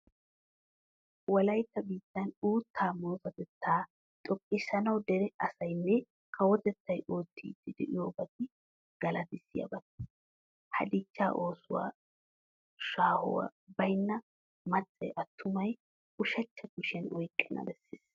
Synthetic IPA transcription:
wɔlɐjt̪ːɐbiːt̪ːɐnuːt̪ʰːaːmoːt̪ɐt̪ɛt̪ʰːaː | t̪ʼɔkʼːɪsɐnɐwd̪ɛɾɛɐsɐjnːɛ | kʰɐwɔt̪ɛt̪ːɐjʔoːt̪ʰːḭːd̪ɪd̪ɛ̰ʔɪjoːbɐt̪ːɪ | ɡ̥ɐlɐt̪ɪsːɪjɐ̰bɐt̪ː | hɐ̰d̪ɪt͡ʃːa̰ːʔo̞ːsʊwa̰ː | ʃaːhʊ̰wɐ̰bɐjnːɐ | mɐt͡sʼːɛjʔɐt̪ːʊmɐj | ʊʃɐt͡ʃːɐɡʊʃɛnʔɔjkʼːɛnːɐ̰bɛsːḛːs

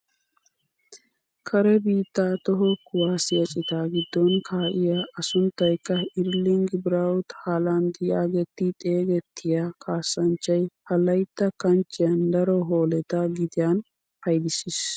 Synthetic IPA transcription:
kʰɐɾɛbiːt̪ːaːt̪ɔɦɔkʊwaːsɪjɐt͡ʃʼɪt̪aːɡɪd̪ːɔnkʰaːʔɪjaːʔɐsʊnt̪ːɐjkːɐɪɾlɪŋɡbɪɾawt̪haːland̪ɪjaːɡɛt̪ːɪt̪ʼe̞ːɡɛt̪ːɪjaːkʰaːsːɐnt͡ʃːɐjpɐlɐjt̪ːɐkɐnt͡ʃːɪjɐnd̪ɐɾɔɦoːlɛt̪ɐɡɪd̪ɪjan | pɐjd̪ɪsɪs

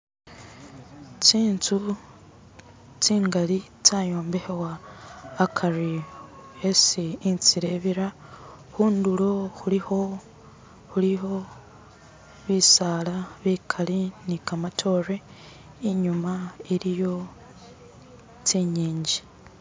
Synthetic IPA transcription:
t͡siːnt͡su | t͡siːŋɡali | t͡sajo̞ːmbe̞hewaː | kʰari | esiːnt͡siɾe̞βiɾa | xuːndulo̞xuliho | huliɦo̞ | βisaːlaβikʰalinikamatʰo̞reː | ɲumaiɾijo̞ | t͡siɲiːɲɟi

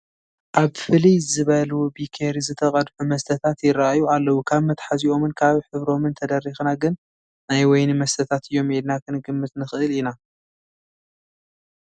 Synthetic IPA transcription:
ʔaβfɨlijzɨβɐlwobikʰeɾizɨt̪ʰɐqʼɐd̪ħumɐst̪ʰɐt̪ʰat̪jɪɾaajualːɐwukʰaβmɐt̪ħaziʔo̞mɨnkʰaβħɨβɾo̞mɨnt̪ʰɐd̪ɐrːixnaɡɨnː | ajwɔjnɨmɐst̪ʰɐt̪ʰat̪ɨjːo̞med̪nakʰɨnɨɡɨmːɨt̪nɨxɨʔɨlina

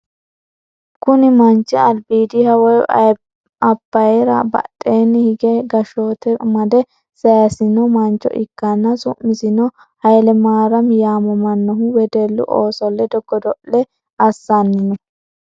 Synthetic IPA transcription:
kʊnɪmɐnt͡ʃːɛɐlbiːd̪ɪhɐwɔj | ɐbːɐjɛɾɐbɐ̰tʼːeːnːɪhɪɡɛɡɐʃoːt̪ɛmɐd̪ɛ | sɐjɐsɪnːɔmɐnt͡ʃːɔ̰ʔɪkːɐnːɐsʊ̰mːɪsɪnɔ | hɐjlɛmaːɾɐmjaːmɔmɐnːɔɦʊwɛd̪eːlːʊ̰ʔoːsɔlːɛd̪ɔɡːɔd̪ɔʔɛ | ɐsːanːɪnɛ

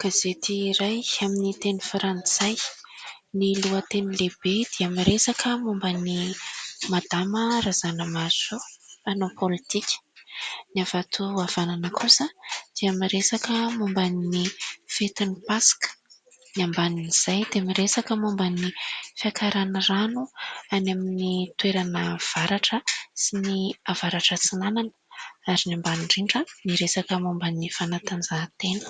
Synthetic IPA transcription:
kazet̪ʰiːɾajaminit̪enifɾant͡saj | niluət̪enileb̥ed̪̥eamiɾesakʰəmumbani | mad̪̥amərazanəmazoanopʰolit̪ikʲə̥niavat̪ʰuav̥ananəkʰusad̪̥eamiɾesakəmumbanːifet̪inipasi̥kə̥ | nambaniniz̥ajd̪eamiɾesakəmumbanifiakʰaɾanəranuanaminit̪weɾanəv̥aɾaʈ͡ʂəsiniavaɾaʈ͡ʂət͡sinanan | aɾinambaniɳɖ͡ʐiɳɖ͡ʐəniɾesakəmumbanifanat̪and͡zat̪enu̥

